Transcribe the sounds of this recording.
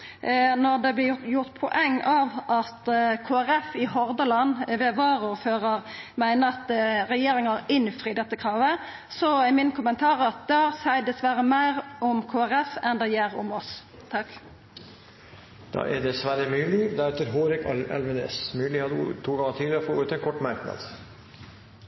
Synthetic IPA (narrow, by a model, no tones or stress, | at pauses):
nɔʁd̪ɛblɪjʊʁt̪pʰɔʔɛŋːɑʋʔɑt̪kʰoːæʁɛfɪɦɔɾd̪əlɑnʋɛʋɑːɾuføːʁɑʁmæɪnəʁɑt̪ɾɛjeːɾɪŋɑɾɪnfɾiːd̪ɛt̪ːəkʰʁɑːʋə | sɔɛmɪnkʰʊmənt̪ʰɑːʁɑt̪̚d̪ɑsæɪd̪ɛsʋæɾəmæɪʁɔmkʰoːæɾɛfɛnd̪ɛjeɾɔmɔs | t̪ʰɑk | d̪̥ɑ̰ːʔæd̪ɛsʋæɾəmʉːlɪd̪æɾʉːt̪əɾɦoːɾɪkɑ̰lʋənḛsmʉːlɪhɑd̪̰t̪ʰuːɡɑŋət̪ʰiːləɾfoøːt̪əɛnkʰɔʈːmɑɾknɑ̰d̪̥